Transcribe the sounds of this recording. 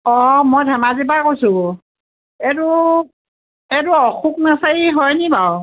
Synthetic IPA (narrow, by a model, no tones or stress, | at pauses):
ɔmɔjdʱɛmazibakojsʊ | ɛdu | ɛduɔxuk̚nasaiɦɔjnibaw